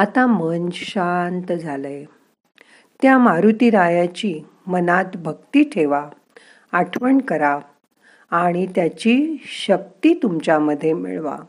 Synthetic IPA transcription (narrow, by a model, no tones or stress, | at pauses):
at̪ãmənd͡ʑɕant̪d͡zʱaləj | t̪jamaɾut̪iɾajat͡ɕi | mənat̪bʱəkt̪iːʈʰeʋa | aʈʰʋəɳkəɾaː | ɽ̃it̪jat͡ɕiɕək̚t̪iːt̪umt͡ɕaməd̪ʱːjemḭɭʋa̰